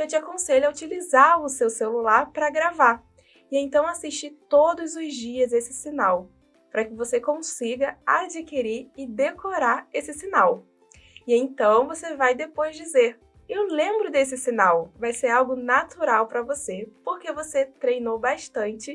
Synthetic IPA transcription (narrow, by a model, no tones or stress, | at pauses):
ewt͡ʃɪakõseʎʊaut͡ʃilizaɾʊsewselulaɾpɾɐɡɾava | ɪẽnt̪ɐ̃w̃asiʃt͡ʃit̪od̪ʊzʊzd͡ʒiɐzesɪ̥sinaw | pɾɐkɪvosekõsiɡɐad͡ʒikiɾiɪd̪ekoɾaɾesɪsinaw | ɪẽt̪ɐ̃w̃vosevajd̪epojzd͡ʒizeɾ | ewlẽmbɾʊd̪esɪsinawvajseɾawɡʊnat̪uɾawpɾɐvosepoɾkevoset̪ɾejnowbaʃt̪ɐ̃nt͡ʃɪ